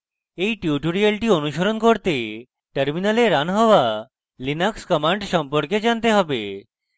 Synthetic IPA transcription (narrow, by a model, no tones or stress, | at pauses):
ejʈjuʈoɾialʈionuʃoɾonkoɾt̪e | ʈəɾminaleɾanɦɔa | linakskɔmaɳɖʃɔmpoɾked͡ʑant̪eɦɔbe